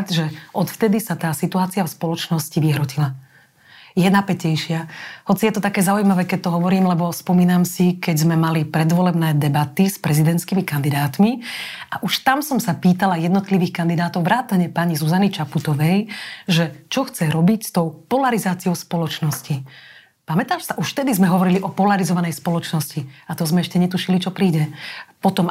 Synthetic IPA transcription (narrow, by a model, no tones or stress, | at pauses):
ʒɛʔɔt̪ft̪ɛd̪isat̪aːsit̪uaːt͡siafspɔlɔt͡ʃnɔsciʋiɦɾɔcila | jɛnapɛcɛjʃɪahɔt͡sijɛt̪ɔt̪akɛːzaujmaʋɛːkɛc̚t̪ɔɦɔʋɔɾiːmlɛbɔspɔmiːnamsikɛɟzmɛmalipɾɛd̪ʋɔlɛbnɛːd̪ɛbat̪ispɾɛzid̪ɛnt̪skimikand̪id̪aːt̪miʔaʔuʃt̪amsɔmsapiːt̪alajɛd̪nɔt̪liʋiːxkand̪id̪aːt̪ɔʊʋɾaːt̪aɲɛpaɲizuzanit͡ʃaput̪ɔʋɛjʒɛt͡ʃɔxt͡sɛɾɔbicst̪ɔʊpɔlaɾizaːt͡siɔʊspɔlɔt͡ʃnɔsci | pamɛt̪aːʃsaʔuʃft̪ɛd̪izmɛɦɔʋɔɾiliʔɔpɔlaɾizɔʋanɛjspɔlɔt͡ʃnɔsciat̪ɔzmɛɛʃcɛɲɛt̪uʃilit͡ʃɔpɾiːɟɛpɔt̪ɔm